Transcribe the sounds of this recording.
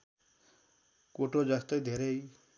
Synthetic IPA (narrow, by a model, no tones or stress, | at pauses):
koʈod͡ʒast̪ajd̪ʱeɾej